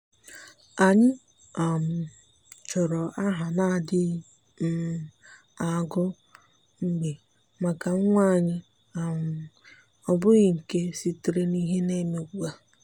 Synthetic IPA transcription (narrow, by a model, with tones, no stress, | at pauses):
a˨ɲɪ˦ | a˨m̩˨ | t͡ʃɔ˨ɾɔ˨ʔa˦ɦa˨na˦˨dɪ˦ | m̩˦ | a˨ɡʊ˦ | ŋ͡m̩˦ɡ͡be˨ | ma˨ka˨˦ŋʷa˦˨ɲɪ˦ | a˨mʊ˨ | ɔ˨bʊ˦ɣɪ˨ŋ̩˨ke˦si˦te˨ɾe˦ni˦ɦe˦ne˦me˨ɡu˨a˨